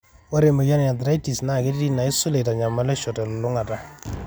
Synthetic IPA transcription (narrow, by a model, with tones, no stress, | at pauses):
wo˦ɾe˨mɔ˨ja˦nja˨dɾa˦jti˨sna˨ke˦ddi˦na˨ɪ˦so˦le˨ta˨ɲa˨ma˦lɛ˦ʃɔ˨tɛ˨lɔ˨lʊ˦ŋa˨ta˨